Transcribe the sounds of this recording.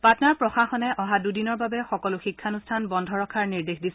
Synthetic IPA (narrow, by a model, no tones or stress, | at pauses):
patnaɹpɹɔxaxɔnɛʔɔɦadudinɔɹbabɛxɔkɔlʊxikʰːanustʰanbɔndʱɔɹɔkʰaɹniɹdexdis